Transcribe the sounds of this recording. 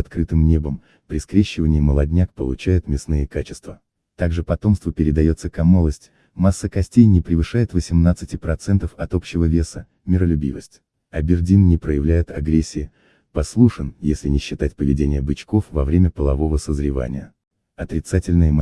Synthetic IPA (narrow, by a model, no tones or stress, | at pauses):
ɐt̪kɾɨt̪ɨmnʲebəm | pɾʲɪskɾʲeɕːɪvənʲɪːməlˠɐdʲnʲakpəlˠʊt͡ɕæjʊt̪mʲɪsnɨjəkat͡ɕɪ̥st̪və | t̪aɡʐɨpɐt̪o̞mst̪vəpʲɪɾʲɪd̪ɐjo̞t̪səkɐmolˠəsʲtʲ | masːəkɐsʲtʲejnʲɪpɾʲɪvɨʂajɪt̪vəsʲɪmnat̪sɨtʲɪpɾɐt̪sɛnt̪əfɐt̪o̞pɕːɪvəvʲe̞sə | mʲɪɾəlʲʊbʲḭvəsʲtʲ | ɐbʲɪrdʲinnʲɪpɾəjɪvlʲæjɪt̪ɐɡɾʲesʲːɪɪ | pɐslˠuʂɨnjesʲlʲɪnʲɪɕːɪt̪atʲpəvʲɪ̰dʲenʲɪjəbɨt͡ɕko̞fvɐ̰vɾʲemʲəpəlˠɐvo̞vəsəzɾʲɪva̰nʲɪ̰jə | ɐt̪ɾʲɪt̪satʲɪlʲnɨjəm